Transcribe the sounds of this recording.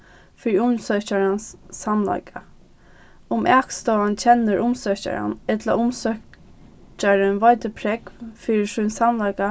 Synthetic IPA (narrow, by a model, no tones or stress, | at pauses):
fiːɾiʊmsœht͡ɕaɹansːamla̰jka | ʊmʔɛkst̪ɔːant͡ɕʰɛnːəɹʔʊmsœt͡ɕa̰ɹa̰nɛt̪la̰ʔʊmsœ | t͡ʃaɾɪnʋɔjt̪əpʰɾɛkfiːɹɪsujnsamlajka